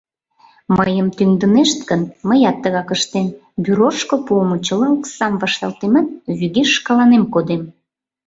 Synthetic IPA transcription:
məjəmt̪yŋd̪əneʃt̪ɡənməjɑt̪ːəɣɑkəʃt̪em | byɾorʃkopomot͡ɕəlɑuksɑmvɑʃt̪ɑlt̪emənβyɣeʃːkɑlɑnemkod̪em

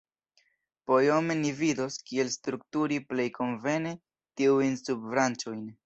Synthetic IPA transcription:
po̞jo̞me̞nivido̞skie̞lstɾuk̚tuɾiple̞jkʰo̞nve̞ne̞ | tiujnsubvɾant͡ʃo̞jn

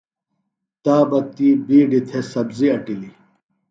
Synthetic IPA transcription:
t̪aːbɐt̪iːbiːɖit̪ʰesɐbziɐʈili

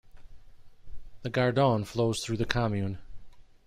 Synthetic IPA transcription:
ðɨɡɑɹdɔ̃nfloʊz̥θɹʉðɨkʰɑmjʉ̃n

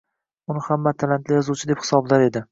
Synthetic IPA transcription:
ʊnɪhamːat̪ʰalant̪lɪjɒzuwt͡ʃʰɪd̪e̞phɪ̥sɒblaɾe̞d̪ɪ

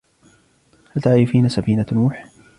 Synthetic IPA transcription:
halt̪aʕɾɪfiːnasafiːnanuːħ

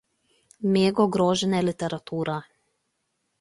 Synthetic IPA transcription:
meɡoɡɾoʒɛnelit̪eɾat̪uːɾʔa

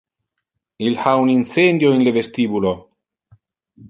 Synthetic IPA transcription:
ilhauninsend̪joenlevest̪ibulo

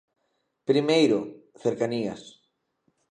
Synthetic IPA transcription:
pɾimejɾoθeɾkania̰s

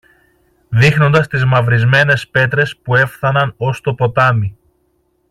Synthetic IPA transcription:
ðixno̞nd̪ɐst̪izmɐvɾizme̞ne̞spe̞t̪ɾe̞spue̞fθɐnɐno̞st̪o̞po̞t̪ɐmi

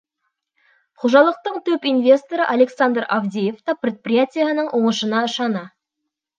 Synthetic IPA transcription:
qʰoʒɑlˠəq̚t̪əɴt̪ʰɵpinvʲe̞st̪o̞ɾəʔale̞ksand̪ravd̪ʲejeft̪ɑprʲet̪̚prʲijat̪ʲijaənəɴwʔoɴəʃənɑəʃɑnɑ

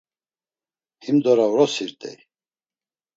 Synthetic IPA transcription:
himd̪ɔɾawɾɔsiɾt̪ʼɛ̰j

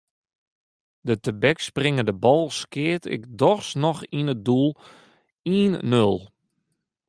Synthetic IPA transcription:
dətəbɛksprɪŋədəbɔlˠskɪətʰɪ̰kdɔxsnɔxinət̚dulˠ | iːnːølˠ

